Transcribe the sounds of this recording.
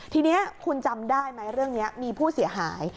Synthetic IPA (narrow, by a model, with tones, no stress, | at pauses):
t̪ʰiː˧ni˦˥ɐkʰu˧nt͡ɕa˧mdaː˥˩jma˦˥jɾɯ˥˩əŋni˦˥ɐmiː˧pʰuː˥˩si˩˦ɐɦaː˩˦j